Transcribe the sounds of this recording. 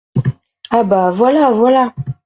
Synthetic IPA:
abavɔlavɔla

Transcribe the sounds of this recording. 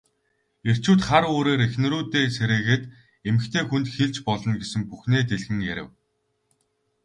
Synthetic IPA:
er̥t͡ɕuːt̪χaɾoːɾeːɾexnɘ̆ɾuːt̪eːseɾeːɣeːt̪ | emɘ̆kt̪ʰeːxunt̪xeɮt͡ɕpɔɮɞ̆nɡesɘ̆mpuxneːt̪eɮxɘ̆ŋjæɾʲɪ̆w

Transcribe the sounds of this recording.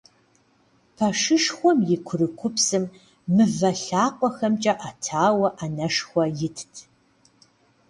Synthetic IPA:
pʰɐʂɨʂxʷɔmjɪkʷʰʊrɨkʷʰʊpʰsɨmː | ɨvɐɬaːqʷʼɔxɐmt͡ʃʼɐʔatʰaːwɐʔanɐʂxʷɔjɪtʰtʰ

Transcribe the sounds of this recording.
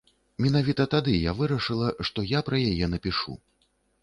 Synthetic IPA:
mʲin̪avʲit̪ɐt̪ad̪ɨjavɨɾɐʂɨlˠɐʂt̪ɔjapɾɐjajɛnɐpʲiʂṵ

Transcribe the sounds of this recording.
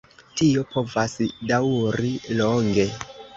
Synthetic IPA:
tio̞pʰo̞vasdawɾiloŋɡe̞

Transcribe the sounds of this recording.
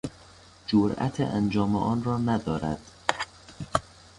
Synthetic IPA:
d͡ʒoɾæ̰t̪ʰḛʔænd͡ʒɒːmḛʔɒːnrɒːnæd̪ɒːɾæ̰d̪̥

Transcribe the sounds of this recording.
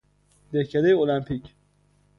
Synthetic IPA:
d̪ehcʰæd̪ejeolæmpʰicʰ

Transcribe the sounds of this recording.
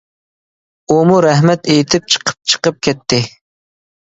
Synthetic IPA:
umuɾɛɦmɛt̪ejt̪ʰɪp̚t͡ʃʰə̥qʰə̥p̚t͡ʃʰə̥qəp̚kʲɛt̪ʰːɪ

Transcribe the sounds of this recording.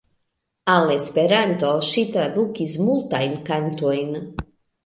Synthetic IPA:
alespeɾant̪oʃit̪ɾad̪ukizmult̪ajmkant̪ojn

